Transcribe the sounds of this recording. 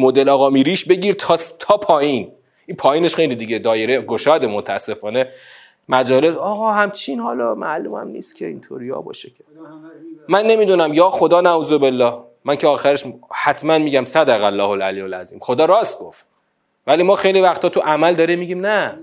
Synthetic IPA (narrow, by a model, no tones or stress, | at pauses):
mod̪e̞lɒːɣɒːmiːɾiːʃbe̞ɟiːɾt̪ʰɒst̪ʰɒːpʰɒːjin | ʔipʰɒːjiːne̞ʃxe̞jliːd̪iɟed̪ɒːjeɾeɡo̞ʃɒːd̪emot̪ʰææsːe̞fɒːne | mæd͡ʒɒːle̞sɒːɣɒhæmt͡ʃʰinhɒːlɒːmæ̰lṵːmæ̰mnḭːst̪cʰeḭnt̪ʰo̰ɾjɒ̰ːbɒ̰ːʃecʰe | mænːe̞miːd̪unæmjɒːxo̞d̪ɒːnæuːzo̞be̞lːɒːh | mæncʰeɒːxæɾeʃhæt̪ʰmænmiːɟæmsæd̪æɣælːɒːholʔæliːolæzḭːmxo̞d̪ɒːɾɒːst̪̚ɡoft̪ | væliːmɒːxe̞jlivæxt̪ʰɒːt̪ʰuʔæmæld̪ɒːɾimːiɟiːmnæ